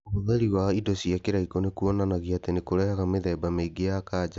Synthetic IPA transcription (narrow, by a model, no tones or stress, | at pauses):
omoðɛɾiwaidosiakeɾaikonekuɔnanaɣiatenekoɾɛhaɣameðɛːbameiɡeakaːd͡ʒa